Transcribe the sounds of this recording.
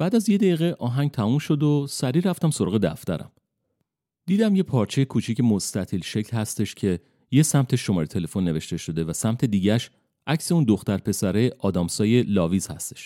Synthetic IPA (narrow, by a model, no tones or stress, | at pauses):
bæːd̪æzje̞d̪æiːɣeʔɒːɦæŋɡ̚t̪ʰæmumʃo̞d̪osæɾiːɾæft̪æmsoɾɒːɣed̪æft̪æɾæ̰m | d̪̥iːd̪æmje̞pʰɒːɾt͡ʃʰe̞jekʰuːt͡ʃʰicemo̞st̪æt̪ʰilʃe̞clhæst̪e̞ʃcʲʰe̞ | je̞sæmt̪ʰe̞ʃːo̞mɒːɾet̪ʰe̞le̞fo̞nːeve̞ʃt̪e̞ʃo̞d̪e̞væsæmt̪ʰe̞d̪iːɟæʃ | ʔæcse̞und̪o̞xt̪æɾpʰe̞sæɾeʔɒːd̪ɒːmsɒːje̞lɒːviːz̥hæst̪eʃ